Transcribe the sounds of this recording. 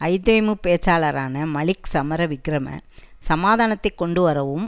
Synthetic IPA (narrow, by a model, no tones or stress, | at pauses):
ɐɪd̪oːmɯpeːt͡ʃaːɭɐɾaːnɐmɐɭɪksɐmɐɾɐʋɪɡɾɐmɐ̰ | sɐmaːðaːnɐt̪ːɐɪkːɔɳɖɯʋɐɾɐʋɯm